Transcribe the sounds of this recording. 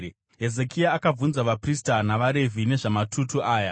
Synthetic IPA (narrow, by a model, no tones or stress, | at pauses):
ɦe̞ze̞kʰiaːkab͡vunzaʋapristanaʋaɾe̞vʱine̞ʐamatʰutuʔaːja